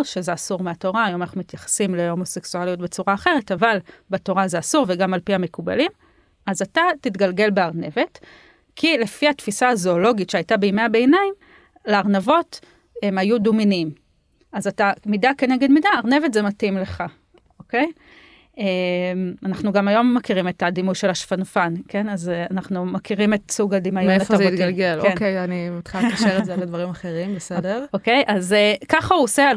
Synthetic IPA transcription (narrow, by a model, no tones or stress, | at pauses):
ʃezeasuʁmeato̞ʁaːjomanaχnumit̪jaχḁsimlehomo̞se̞ksualijot̚be̞t͡suʁaːχe̞ʁe̞tavalbeto̞ʁazeasuʁveɡamalpiame̞kuba̰lim | azatatit̪ɡalɡe̞lbeaʁne̞ve̞t | kʰile̞fihatfisaːzo̞ːlo̞ɡitʃeajtabeimeabe̞ːnaim | leaʁnavo̞t | majuduminim | azatamidakeneɡedmidaːʁne̞vetzematimle̞χa | oke̞j | emanaχnuɡamajo̞mːakiʁime̞tadimujʃe̞laʃfanfanke̞nazeanaχnumakiʁime̞tsuɡad̪imajoeatfoazeit̪ɡalɡelonkejanimit̪χialkaʃeʁezeledvaʁimaχeʁimbesede̞ʁokejʔazekaχauosea